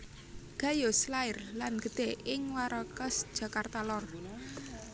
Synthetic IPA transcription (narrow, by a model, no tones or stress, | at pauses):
ɡ̥ä̤joslaɪrlanɡ̥ə̤d̪̥e̤ɪŋwaɾɔkəsd̥ʒ̥ä̤kart̪alɔr